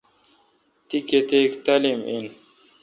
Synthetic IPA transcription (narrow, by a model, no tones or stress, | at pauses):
t̪iket̪ekt̪ɐlimḭn